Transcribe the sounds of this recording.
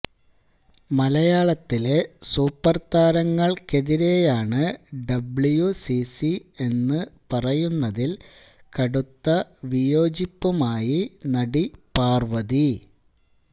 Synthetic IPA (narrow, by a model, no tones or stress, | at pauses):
mɐlɐjaːɭɐt̪ːile̞suːpːɐrt̪aːɾɐŋːɐɭke̞ðiɾe̞jaːɳɨɖɐbɭjusisie̞nːɨpɐrɐjunːɐðil | kɐɽut̪ːɐʋijo̞ːd͡ʑipːumaːjinɐɽipaːrʋɐði